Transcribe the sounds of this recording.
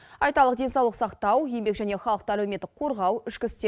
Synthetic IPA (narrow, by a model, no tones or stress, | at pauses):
ɑjt̪ɑlˠəq̚d̪e̞nsɑwlˠəqsɑqt̪ɑwje̞mbe̞kʒæne̞χɑlˠəqt̪əælwemet̪ːɪqʰo̞ɾʁɑwʏʃkʲɪst̪e